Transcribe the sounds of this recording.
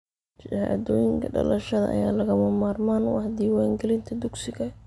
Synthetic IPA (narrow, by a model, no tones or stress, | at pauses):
t͡ʃha̰ːd̪ɔːjɪŋkʰɐɖɐ̰lɐʃɐðɐ̰ʔɐ̰jaːlɐɣɐmɐmaːrmaːnʊhd̪iːwaːŋɡɛlɪnt̪ʰɐd̪ʊɡsɪɣɐ